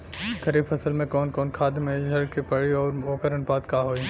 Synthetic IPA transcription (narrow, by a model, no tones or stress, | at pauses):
ɡɐɾiːbfʰɐsəlmẽkɔːnkɔːnkʰaːd̪mẽd͡ʒɐɽkepɐɽiɔːɾoːkəɾənpaːt̪kaːɦoːi